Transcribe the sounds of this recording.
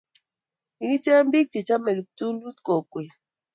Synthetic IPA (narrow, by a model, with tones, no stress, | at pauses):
i˨ki˦te˦m̩˦bi˦k̚ti˨t͡ʃa˦me˨ki˨tu˦u˦tko˨kwe˨